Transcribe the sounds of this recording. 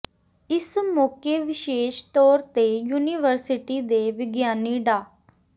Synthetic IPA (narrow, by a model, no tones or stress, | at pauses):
ɪsmɔːkeːʋɪʃeːʃt̪ɔːɾt̪eːjuːniːʋəɾsɪʈiːd̪eːʋɪɡjaːniːɖaː